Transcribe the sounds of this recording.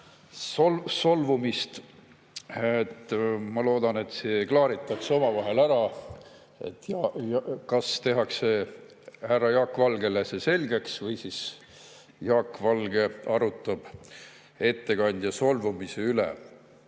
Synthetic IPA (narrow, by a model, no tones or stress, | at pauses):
solso̞lvumist̪ | et̪ːmɑlo̞ːd̪̥ɑne̞t̪ˑseklɑːɾit̪ˑːɑkseo̞mɑvɑɦe̞læɾɑ | ḛt̪ːjɑjkɑst̪e̞ɦɑkse̞ | hærːɑjɑːkvɑlɡ̥e̞lesese̞lɡe̞ksvɤjsis | jɑːkːvɑlɡe̞ɑɾut̪ːˑɑb̥ | e̞t̪ːe̞kɑnʲd̪̥jɑso̞lvumiseylḛ